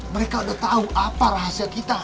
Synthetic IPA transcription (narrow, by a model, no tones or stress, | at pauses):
məɾekaudaht̪auʔapaɾaɦasiakit̪a